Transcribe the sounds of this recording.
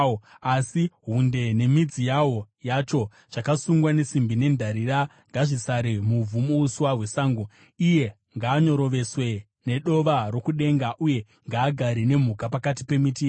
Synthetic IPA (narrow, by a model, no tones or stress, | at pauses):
asiɦunde̞ne̞mid͡zijawo̞ | jat͡ʃo̞ | t͡ʃakasuŋɡwane̞simbine̞ndʱaɾiɾa | ŋɡaʐisaɾemub͡vumouswaɦwe̞saːŋɡo | ije̞ | ŋɡaːɲo̞ɾo̞ʋe̞swe̞ | ne̞ɗo̞ʋaro̞kuɗe̞ŋɡaʔuje̞ | ŋɡaːɡʱaɾine̞m̤ukapakatipe̞mitiː